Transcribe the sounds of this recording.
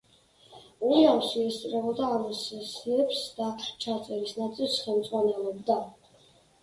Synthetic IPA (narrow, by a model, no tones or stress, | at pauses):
ujawʃiɛst̪sʼɾɛbɔd̪aːmɔsɛsiɛpsd̪̥aqʰt͡ʃʰat̪sʼɛɾisnat̪sʼilˠsχɛlˠmd̪zʼʁwanɛlˠɔb̚d̪a